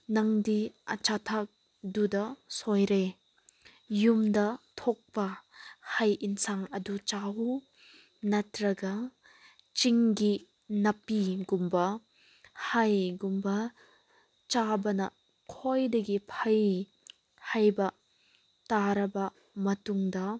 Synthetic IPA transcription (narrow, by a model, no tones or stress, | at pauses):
nɐŋdiɐt͡ʃatʰak̚ | dudɐsojɾe | jumdɐtʰok̚pɐhɐjʔinsaŋɐdut͡ʃaw | nɐtɾɐɡɐ | t͡ʃiŋɡi | nɐpiɡumbɐ | hajɡumbɐ | t͡ʃabɐnɐ̰ | kʰojdɐɡipʰɐj | hajbɐ | taɾɐbɐ | mɐtuŋdɐ